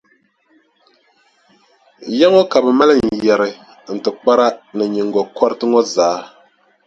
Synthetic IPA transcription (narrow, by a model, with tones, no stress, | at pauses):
jɛ˦ŋɔ˦ka˨bɛ˨ma˦lɨ˦˨n̩˨jɛ˨ɾɨ˨ | n̩˨tɨ˨k͡pa˦ɾa˦nɨ˨ɲi˨ŋɡɔ˨kʰɔ˦ɾɨ˦tɨ˦ŋɔ˦zaː˨˦